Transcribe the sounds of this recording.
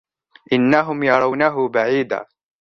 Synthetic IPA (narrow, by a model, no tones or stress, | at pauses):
ʔɪnːaɦʊmjɑɾˤɑwnaɦʊbaʕiːd̪a̰ː